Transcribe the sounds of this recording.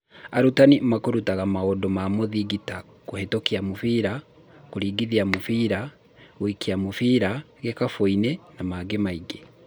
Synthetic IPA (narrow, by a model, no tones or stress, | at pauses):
aɾutanimakoɾutaɣamaodɔmamoðiɡita | kohetokiamofiɾa | koɾiːɡiðiamofiɾa | ɣwikiamofiɾa | ɣekafoinɛnamaɡemaiɡe